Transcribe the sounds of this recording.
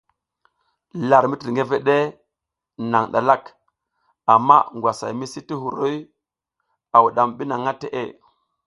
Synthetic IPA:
la˨ɾmi˦ti˨ŋɡe˦ve˦ɗe˦ | na˨ŋɗa̰˨la˦k | a˨mːa̰˦ŋɡwa˨sa̰˨jmi˦si˦ti˦hu˨ɾo˦j | a˨wu˨ɗa˨mɓi˦na˨ŋːa˦te˦ʔḛ˦˨

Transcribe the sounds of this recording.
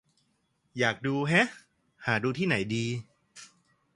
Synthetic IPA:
jaː˨˩k̚duː˧ɦɛ˦˥ | haː˩˦duː˧t̪ʰiː˥˩na˩˦jdiː˧

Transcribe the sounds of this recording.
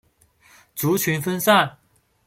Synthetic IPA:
t͡su˨˧˥t͡ɕʰy˧˥nfə˥nsa˥˩n

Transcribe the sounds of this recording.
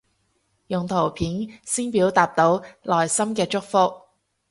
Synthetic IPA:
jʊ˨ŋt̪ʰo˨˩wpʰiː˨˥nsiː˥npiː˨˥wt̪aː˨p̚t̪o˨˥wlɔː˨˩jsɐ˥mkɛː˧t͡ʃʊ˥k̚fʊ˥k̚

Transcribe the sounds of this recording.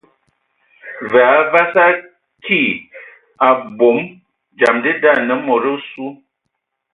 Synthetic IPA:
vɛ˨a˨˦va˦sa˦ | kʰi˦˨ | a˨bo˨˦m | d͡ʒa˨mdi˦da˦˨nə˨˦mɔ˨ɾə˦su˦

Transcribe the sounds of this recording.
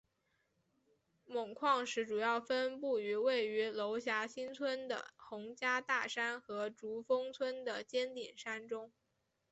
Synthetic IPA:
mʊ˨˩ŋkʰwɑ˥˧ŋʂɻ̩˧˥ʈ͡ʂu˨˩jɑ˥˩ʊfə˥npu˥˩y˧˥we˥˩ɪy˧˥lo˧˥ʊɕja˧˥ɕi˥nt͡sʰwə˥nd̪ə̰˨˩xʊ˧˥ŋt͡ɕja˥t̪a˥˩ʂa˥nxɤ˧˥ʈ͡ʂu˧˥fɤ˥ŋt͡sʰwə˥nd̪ə˨t͡ɕjɛ˥nt̪i˨˩nʂa˥nʈ͡ʂʊ˥ŋ

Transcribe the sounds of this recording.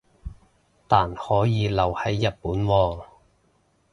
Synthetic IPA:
t̪aː˨nhɔː˨˥jiː˨˧lɐ˨˩whɐ˨˥jːɐ˨t̚puː˨˥nwɔː˧

